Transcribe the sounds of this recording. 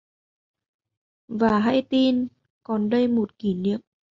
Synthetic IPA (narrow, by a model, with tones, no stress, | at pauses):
vaː˨˩ɦa˧jt̪i˧n | kɔ˨˩nɗə˧jmo˨˩t̚ki˧˩nḭ˧˨əm